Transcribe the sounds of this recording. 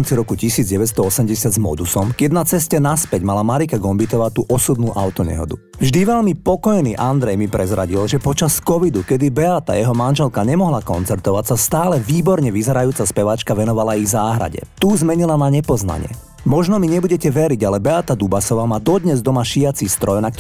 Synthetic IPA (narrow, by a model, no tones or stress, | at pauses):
mt͡siɾɔkucisiːd͡zɟɛʋɛt̪s̬t̪ɔɔsɛmɟɛsɪad̪zmɔ̰d̪usɔmɡjɛd̪nat͡sɛscɛnaspɛɟmalamaɾikaɡɔmbit̪ɔʋaːt̪uːʔɔsubnuːʔa̰ʊt̪ɔɲɛ̰ɦɔ̰d̪u | vʒd̪iʋɛlmipɔkɔjniʔand̪ɾɛjmipɾʔɛzɾa̰ɟilʒɛpɔt͡ʃaskɔʋid̪ukɛd̪ibɛat̪a̰jɛɦɔmanʒɛlkaɲɛmɔɦlakɔnt͡sɛɾt̪ɔʋacsast̪aːlɛʋiːbɔɾɲɛʋizɛɾajuːt͡saspɛʋat͡ʃkaʋɛnɔʋalaiɣzaːɦɾa̰ɟɛ̰t̪uːzmɛɲilanaɲɛpɔzna̰ɲɪɛ̰ | mɔʒnɔmiɲɛbuɟɛcɛʋɛɾiɟalɛbɛat̪ad̪ubasɔʋaːmaːd̪ɔd̪ɲɛzd̪ɔmaʃiat͡siːst̪ɾɔjnak